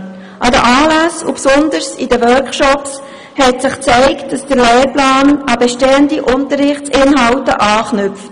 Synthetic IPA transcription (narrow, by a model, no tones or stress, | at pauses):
ʔɑdəʔɑːlæsṵpsʊndəɾsidəʋœːɾkʃɔps | hɛtsɪχt͡sɛɪkt̚d̥ɑsd̥əɾleːɾplɑːnɑbɛʃteːəndiʔʊntəɾːɪχt͡sɪnɦɑwtə̰ʔɑːχnʏp͡ft